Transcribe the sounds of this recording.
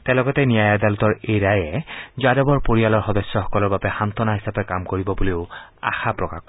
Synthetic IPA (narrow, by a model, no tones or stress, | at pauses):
t̪ɛ̃lɔɡɔt̪enijajad̪alɔt̪ɔɹejɹajɛzadɔbɔɹpoɹialɔɹxɔd̪ɔsjɔxɔkɔlɔɹbabɛxant̪ɔnaɦisapɛkamkoɹibɔboleʊa̰xapɹɔka̰kɔ